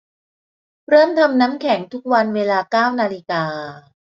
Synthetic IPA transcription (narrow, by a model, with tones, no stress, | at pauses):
ɾɤː˥˩mt̪ʰa˧mnaː˦˥mkʰɛ˩˦ŋt̪ʰu˦˥k̚wa˧nweː˧laː˧kaː˥˩wnaː˧li˧kaː˧